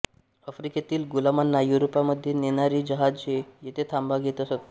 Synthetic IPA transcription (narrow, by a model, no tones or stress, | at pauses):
əfɾiket̪iːlɡulamanːajuɾopaməd̪ʱːjeneñaɾiːd͡ʑəɦad͡zt͡ɕejet̪ʰet̪ʰambaɡʱet̪əsət̪